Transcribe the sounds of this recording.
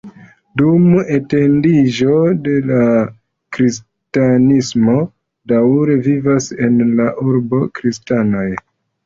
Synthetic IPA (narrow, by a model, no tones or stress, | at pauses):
dume̞te̞ndiʒo̞de̞la | kɾis | tanismo̞ | dawɾe̞vivase̞nlaʔuɾbo̞kɾistano̞j